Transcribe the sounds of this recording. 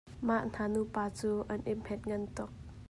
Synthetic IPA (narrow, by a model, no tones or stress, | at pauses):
maʔn̥anupaːt͡suːʔɐnʔɪmhɛt̪̚ŋɐnt̪ʊk̚